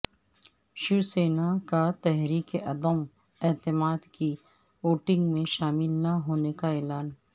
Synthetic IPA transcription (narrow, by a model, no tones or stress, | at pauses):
ʃuːseːnakat̪ɛɦɾiːkeʔɐd̪əm | ɛːt̪ɪmaːd̪ki | oːʈɪ̃ŋɡmẽʃaːmɪlnaɦoːnekaɛːlaːn